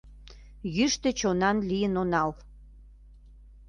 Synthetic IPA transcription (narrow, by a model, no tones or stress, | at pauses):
jyʃt̪ĕt͡ɕonɑnlijənonɑl